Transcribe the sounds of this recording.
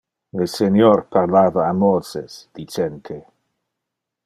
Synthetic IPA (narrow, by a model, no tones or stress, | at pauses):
lesenjoɾpʰaɾlaːvaːmɔsḛsd̪̥it͡ʃent̪ʰe